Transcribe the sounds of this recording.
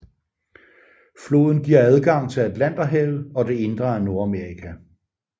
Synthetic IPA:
flo̝̰ːð̞ˠn̩ɡ̥iɐ̰æð̞ˠɡ̥ɑ̈ŋ̰t͡sʰe̝læd̥læn̰d̥ɐɦeʊlɒ̽de̝e̝nd̥ʁɐæɐno̝ɐæmeɐʁikʰæ

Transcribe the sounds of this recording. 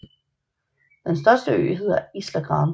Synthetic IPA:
d̥ensd̥ɶɐsd̥əø̰ːɦe̝ð̞̰ˠɐislæɡ̥ʁɑ̈ːn

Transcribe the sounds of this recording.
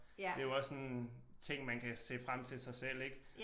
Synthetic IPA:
d̥e̝joɒ̽sːɒnt͡sʰe̝ŋ̰mænkʰæse̝̰ːfʁam̰t͡sʰe̝lsɑ̈ɪsel̰eɡ̥

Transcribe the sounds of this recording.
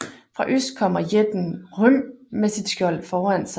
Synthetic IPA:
fʁɑ̈ʔøsd̥̚kʰɒ̽m̰ɐjed̥n̩hɔnmesid̥sɡ̥jɒ̽l̰fɒːæn̰sɑ̈

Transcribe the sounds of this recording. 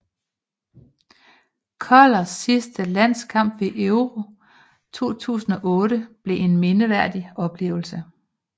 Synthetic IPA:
kʰɒlɐsːisd̥əlæn̰skʰɑ̈m̰b̥ʋe̝ʔœʊʁo̝ | t͡sʰo̝̰ːt͡sʰṵːsn̩ɒ̽ʔɔ̽ːɾəb̥le̝ʔe̝nme̝nəʋæɐ̰d̥iɒ̽b̥le̝̰ːʊl̩sə

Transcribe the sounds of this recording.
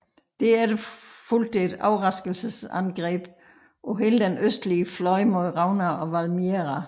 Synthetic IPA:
d̥eæɐɾ̥efuld̥ed̥ɑ̈ʊʁɑ̈sɡ̥əl̩səsænɡ̥ʁɛ̰ːb̥ | ʔɒ̽ɦe̝ːləd̥enøsd̥liəflɒ̽ɪmoðˠʁɑ̈ʊnæɒ̽ʋælmeʁɑ

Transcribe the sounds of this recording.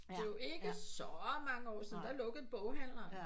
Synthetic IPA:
d̥e̝e̝ɡ̥əsɒmɑ̈ŋəɒ̰ːsiðn̩d̥ɑlɔ̽ɡ̥ð̩ˠb̥ɔʊɦæn̰ɐ

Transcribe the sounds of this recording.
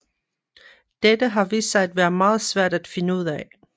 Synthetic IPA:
d̥ed̥əɦɑ̈ʋḭːssɑ̈ɪd̥ʋæːɐð̩ˠmɑ̈ːð̞̩ˠsʋæɐ̰d̥æd̥fe̝nəuð̞̰ˠɛ

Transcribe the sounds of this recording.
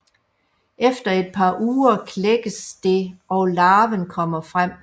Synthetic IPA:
ʔefd̥ɐe̝d̥̚pʰɑ̈ʔuːɐkʰleɡ̥əsd̥e̝ɒlɑ̈ːʋənkʰɒ̽m̰ɐfʁam̰

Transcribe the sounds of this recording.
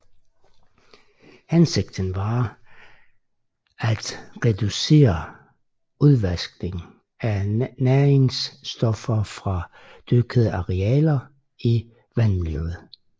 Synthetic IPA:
hænseɡ̥̚d̥ən̩ʋɑ̈ | æd̥ʁɛd̥use̝̰ːɐ | uðˠʋæsɡ̥ne̝ŋ̩ | ænæɐeŋsd̥ɒfɐfʁɑ̈ | d̥øɡ̥əðˠəɑ̈ʁɛɛːlɐ | i | ʋænmilø̰ð̩ˠ

